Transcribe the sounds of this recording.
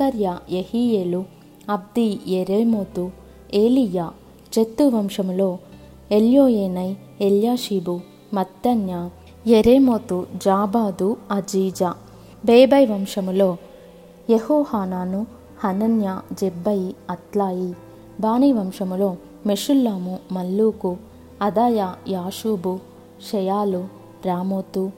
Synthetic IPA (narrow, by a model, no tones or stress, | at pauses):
kɐɾjajehiːjeːlu | ɐb̚d̪ijeɾeːmoːt̪u | eːlijaː | d͡ʒet̪ːuʋɐmʂɐmulo̞ː | eljoːjeːnɐj | eljaːʃiːbu | mɐt̪jɐnja | jeɾeːmoːt̪ud͡ʒaːbaːd̪uɐd͡ʒiːd͡ʒa | beːbɐjʋɐmʂɐmuloː | jehoːhaːnaːnu | hɐnɐnjad͡ʒebːɐjiɐt̪laːji | baːniːʋɐmʂɐmulo̞ː | meʂulːaːmumɐlːuːku | ɐd̪aːjajaːʃuːbu | ʃɛjaːlu | ɾaːmoːt̪u